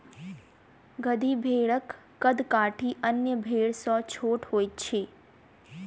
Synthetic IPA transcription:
ɡəd̪ʱibʱeɭəkː | əd̪kaʈʰiʔənjəbʱeɭsɔt͡ʃʰoʈɦojt͡ʃʰe

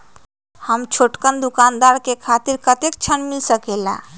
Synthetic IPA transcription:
həmt͡ʃʰoʈkənd̪ukaːnd̪aɾkekʰat̪iɾkət̪ek̚t͡ʃʰənmilsəkela̰

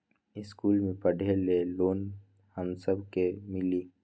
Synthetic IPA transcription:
ɪskuːlmẽpɐɖʱeleːloːn | hɐmsəbʱkemɪliː

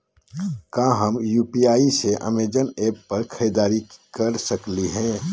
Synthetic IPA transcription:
kãːɦəmjuːpiaːiseʔə̰meːd͡ʒəneːppɐɾkʰəd̪aːɾikəɾsəkliɦɛ̃ː

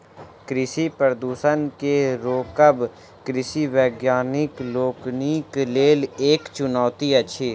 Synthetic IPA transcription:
kɾɪsipəɾd̪uːsənkeɾoːkəb | kɾɪsiʋɛːɡjaːnɪkloːknikleːleːkt͡ʃʊnɔːt̪iəʃʰiː

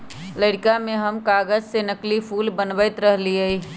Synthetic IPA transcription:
ləɽkamẽɦəmkaːɡəd͡ʒsenəklipʰuːlbənbəɪt̪ɾəɦliəi

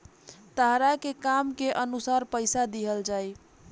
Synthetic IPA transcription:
t̪əɦɾakekamkeʔənusaɾpəɪsad̪iɦəld͡ʒaj

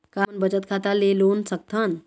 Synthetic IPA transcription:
kanbəd͡ʒət̪̚kʰat̪alelonsək̚t̪ʰən

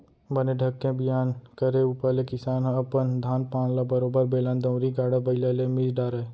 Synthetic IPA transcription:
bəneɖʱəkːẽbɪjaːnkəɾeupəɾlekɪsaːnɦɐpənd̪ʱaːnpãːnlabəɾoːbəɾbeːlãːnd̪ə̃ɾiɡaːɽabəɪlalemid͡ʒɖaːɾə

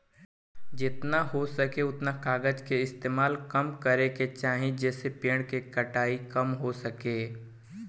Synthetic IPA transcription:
d͡ʒɪt̪naɦosɐkeʊt̪nakaːɡəd͡ʒkeɪst̪eːmaːlkɐmkɐɾeket͡ʃaːɦẽd͡ʒɛːsepeːɽ̃kekɐʈaːikɐmɦosɐkeː

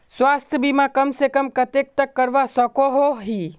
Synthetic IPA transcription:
swaːst̪ʰjəbimãkəmsekəmkət̪ek̚t̪əkːəɾʋasəkoɦoɦi

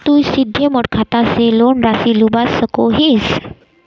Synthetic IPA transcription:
t̪uːsid̪ʱjəməʈ̚kʰat̪aselonɾasilubasːəkoɦes

